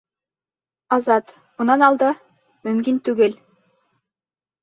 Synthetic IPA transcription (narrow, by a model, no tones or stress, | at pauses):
ɑzɑt̪ | mŭnɑnɑlˠd̪ɤ | mɵmkint̪ʉɡɘl